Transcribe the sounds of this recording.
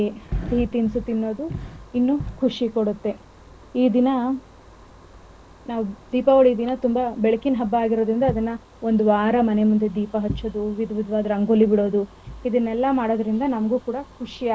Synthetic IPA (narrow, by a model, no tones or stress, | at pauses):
eit̪insut̪inːoːd̪uinːukʰuʂikoɽut̪ːe̞ | iːd̪inɐ | naːʋud̪iːpɐoɽiːd̪inɐt̪umbɐbeɭɐkinɦɐbːaːɡiɾo̞ːd̪ɾind̪ɐːd̪ɐnːɐ | o̞nd̪uʋaːɾɐmɐne̞mund̪ed̪iːpɐɦɐt͡ʃːoːd̪uʋid̪ʱʋid̪ʋaːd̪ɐɾɐŋɡolːibiɽo̞ːd̪u | id̪ɐnːɛlːɐmaːɽoːd̪ɐɾind̪ɐnɐmɐɡuːkuːɽɐkʰuʂia